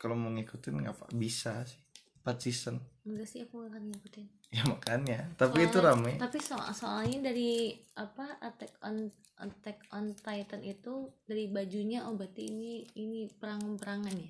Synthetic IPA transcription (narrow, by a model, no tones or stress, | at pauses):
kaloməŋikut̪ɪnŋɡapa̰bisasɪ̥h | pat̪̚sisənəŋɡasiakuŋakanŋikut̪ɪn | jamakanɲat̪apiːt̪uɾamɛt̪apiso̰soalɲadaɾiapaʔat̪ɛk̚ɔn | ʔa̰t̪ɛk̚ɔnt̪ait̪ənit̪udaɾibad͡ʒuɲaʔobat̪iiniːnipəɾaŋanpəɾaŋanja